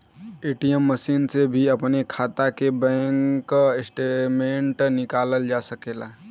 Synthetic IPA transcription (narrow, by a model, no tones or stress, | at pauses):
eːʈijəmːəsiːnsebʱiəpnekʰaːt̪akebɛ̃ːŋkɪsʈemẽɳʈnɪkaːləld͡ʒasəkeːla